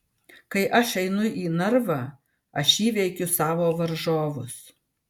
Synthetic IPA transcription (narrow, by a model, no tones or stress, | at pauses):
kɐɪʔɐʃɛɪnʊʔiːnɐɾʋɑ | ɐʃiːʋʲɛɪkʲʊsɑːʋoːʋɐɾʒoːʋʊs